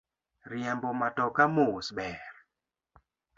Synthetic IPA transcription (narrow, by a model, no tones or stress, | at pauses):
ɾjɛmbɔmatɔkamosbɛr